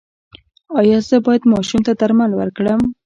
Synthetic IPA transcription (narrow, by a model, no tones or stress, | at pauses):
ɑjɑzəbɑjad̪mɑʃumt̪ad̪aɾmalwə̰ɾkɽəm